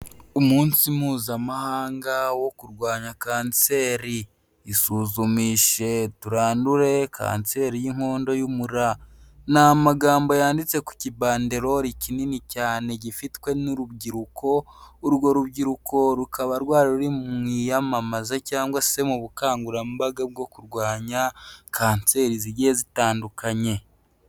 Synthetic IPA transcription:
umuːnsimuːzamahaːŋɡawo̞kuɾɡwaːɲakaːnt͡se̞ːɾiː | suːzumiːʃe̞tuɾaːnduɾe̞kʰa̰ːnt͡se̞ɾijiŋ̥ho̞ːndo̞jumuɾanamaɡaːmbo̞jaːndit͡se̞ku̥cibaːndeɾo̞ɾicininicaːneɟifitkwe̞nuɾuβɟiɾukʰo̞uɾɡwo̞ɾuβɟiɾukʰo̞ɾukaβaɾɡwaːɾaɾuɾimijamamazacaːŋɡwase̞muβukaːŋɡuɾambaɡab̚ɡo̞kuɾɡwaːɲakʰaːnt͡se̞ːɾiziɾjeːzitaːndukaɲe̞

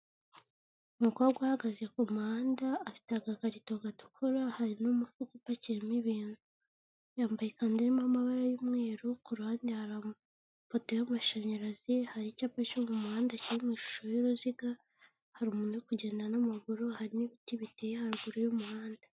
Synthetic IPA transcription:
umuko̞ːɾɡwahaɡazjekumuhaːndaːfi̥taɡaɡaɾitoɡatu̥kʰoɾahaɾinomufukupaciɾimiβiːnu | jaːmbajikandiɾimamaβaɾajumŋe̞ːɾukuɾaːndihaɾa | foto̞jamaʃaɲaɾazihaɾicapacomumuhaːndaciɾimwiːʃu̥ʃo̞juɾuziɡa | haɾumuːnekuɟe̞ːndanamaɡuɾohaɾiniβitiβitejehaɡuɾojomuhaːnda

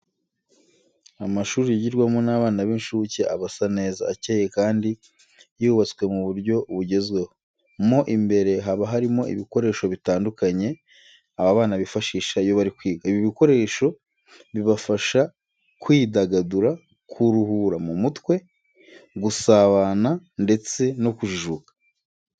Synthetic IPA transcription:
amaʃuːɾijaɟiɾɡwamonaːβaːnaβenʃuceaβasane̞ːzaːceje̞kaːndi | juβat͡swe̞muβuɾɟo̞βuɟe̞zɡwe̞ho | mo̞ʔimbe̞ɾe̞ɦaβaɦaɾimo̞ḭβiko̞ɾe̞ːʃo̞βitaːndukaɲe̞ | aβaβaːnaβifaʃiːʃajo̞βaɾikwiːɡaiβjiβiko̞ɾe̞ːʃo̞ | βiβafaʃa | kwiːdaɡaduɾa | kʰuɾuhuɾamumutwe̞ | ɡusaβanande̞t͡se̞no̞kuʒiʒukḁ

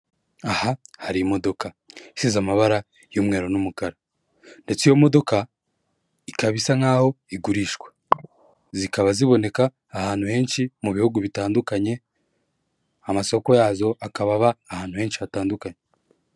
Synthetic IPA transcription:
ahahaɾimo̞do̞ka | isizamaβaɾa | jomŋe̞ːɾo̞numukaɾa | nde̞t͡sijo̞mo̞do̞ka | ikaβisaŋ̥aːho̞iɡuɾiːʃɡwḁ | zikaβaziβo̞ne̞kaː | haːn̥huhe̞ːnʃimuβihuɡuβitaːndukaɲe̞ | amaso̞ko̞jaːzo̞akaβaβaːhaːn̥huhe̞ːnʃiβataːndukaɲe

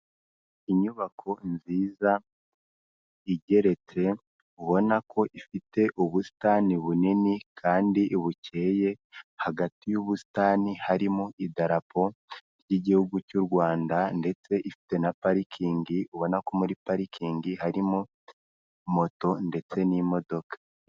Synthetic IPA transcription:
iɲuβakʰo̞nziːza | iɟe̞ɾe̞t͡se̞ | uβo̞nakʰo̞ʔifite̞ʔuβusi̥taniβuninikʰaːndiʔβucʰe̞ːje̞haɡatijuβusi̥taːnihaɾimuʔidaɾapʰo̞ɾjiɟihuɡucuɾɡwaːndande̞t͡se̞ʔifi̥te̞napaɾikʰiːŋɡiʔuβo̞nako̞muɾipaɾikʰiːŋɡihaɾimu | mo̞to̞nde̞t͡se̞nimo̞do̞kḁ

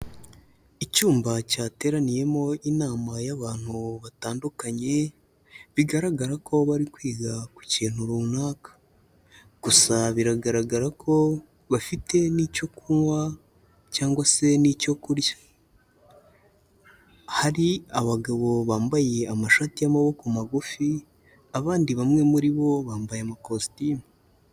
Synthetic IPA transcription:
icuːmbacaːte̞ːɾanije̞mo̞ʔinaːmajaβaːn̥huβataːndukaɲe̞ | βiɡaɾaɡaɾako̞βaɾikwiːɡaku̥ceːn̥uɾumunaːkḁ | ɡ̥usaβiɾaɡaɾaɡaɾakʰo̞ | βafite̞nico̞kuŋwa | caːŋɡwase̞nico̞kuɾjḁ | haɾiaβaɡaβo̞βaːmbaje̞amaʃatijamaβo̞kumaɡufi | aβaːndiβamŋe̞muɾiβo̞βaːmbajeamakostimu

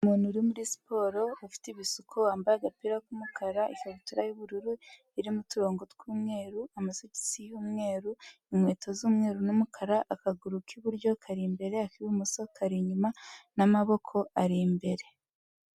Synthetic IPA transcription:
umuːnhuɾimuɾisi̥po̞ːɾo̞ːfi̥tiβisukʰowaːmbajaɡapiɾakumukaɾaʔikaβutuɾajuβuɾuɾu | iɾimutuɾo̞ːŋɡotkuːmŋe̞ːɾuamasoci̥sijuːmŋe̞ːɾu | imweːtʰozuːmŋe̞ːɾunumukʰaɾaʔːkaɡuɾukʰiβuɾɟo̞kʰaɾimbe̞ɾe̞akiβumuso̞kaɾiɲumanamaβo̞kʰo̞aɾimbe̞ɾe̞

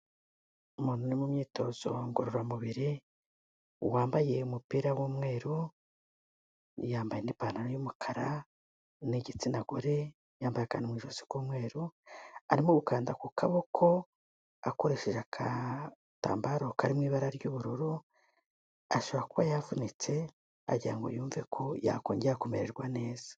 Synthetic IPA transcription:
umuːnunimumɲiːto̞ːz̥o̞̰ŋɡoɾoɾamuβiɾi | waːmbaje̞umupiːɾawuːmŋe̞ːɾu | jaːmbajenipananojumukʰaɾa | neɟit͡sinaɡoɾe̞ | jaːmbajeka̰ːnimŋiːʒosi̥kuːmŋe̞ːɾuaɾimuβukaːndakukʰaβo̞kʰo̞ | ako̞ɾe̞ʃe̞ʒakʰa | ta̰ːmbaɾo̞kʰaɾimŋwiːβaɾaɾɟuːβuɾuɾu | aʃo̞βɾakuβajavunit͡se̞ | a̰ɟiɾa̰ŋɡo̰juːɱve̞kʰo̞ja̰koːɲɟeɾakomeɾe̞̰ɾɡwane̞ːz̥a

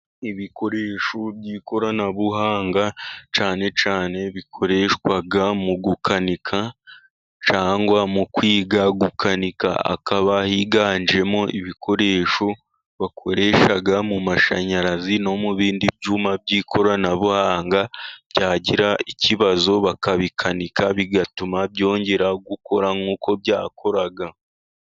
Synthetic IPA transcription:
iβikʰo̞ɾe̞ːʃobɟiːkʰo̞ɾanaβuɦaːŋɡat͡ʃaːne̞t͡ʃaːne̞βikʰo̞ɾe̞ːʃkwaɡamuɡukʰanikʰa | t͡ʃaːŋɡwamukwiːɡaɡukʰanika̰a̰kaβahiɡaːnd͡ʒe̞mo̞ʔiβikʰo̞ɾe̞ːʃo̞ | βakʰo̞ɾe̞ːʃaɡamumaʃa̰ɲaɾazino̞muβiːndib̚ɟumab̚ɟiːkʰo̞ɾanaβohaːŋɡḁɟaːɟiɾaiciβazo̞βakaβikʰanikaβiɡatumabɟo̞ːɲɟe̞ɾaɡuko̞ɾaŋuːkʰo̞bɟaːkʰo̞ɾaɡa

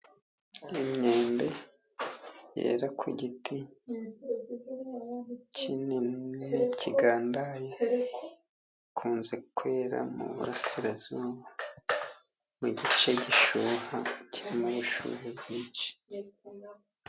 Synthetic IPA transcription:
imɲeːmbe̞ | jḛːɾakʰwiɟitʰi | cʰinimecʰiɡaːndaje | kʰuːnze̞kʰwe̞ːɾa̰mṵβṵɾasiɾazuβa | muɟit͡ʃeɟiʃuːhaciɾimajiʃṵɾebjiːt͡ʃi̥

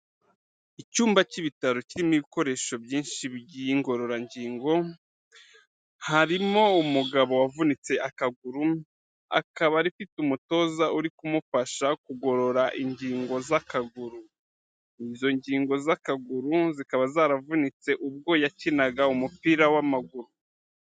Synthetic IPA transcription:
icuːmbaciβitaɾo̞ciɾimiβiko̞ɾe̞ːʃo̞bjiːnʃiβiɟijiŋɡo̞ɾo̞ɾaɲɟiːŋɡo̞ | haɾimo̞umuɡaβo̞wavunit͡se̞akaɡuɾu | a̰kaβaɾifitumuto̞ːzaʔuɾikumufaʃakuɡo̞ɾo̞ɾaʔiɲɟiːŋɡo̞zakaɡuɾu | izo̞ɲɟiːŋɡo̞zakaɡuɾuzikaβazaːɾavunit͡se̞ʔub̚ɡo̞jacinaɡaumupiːɾawamaɡuɾu

